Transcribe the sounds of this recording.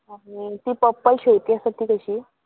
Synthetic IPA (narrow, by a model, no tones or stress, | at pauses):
amit̪iːpəpːəjɕewt̪iasət̪iːkəɕiː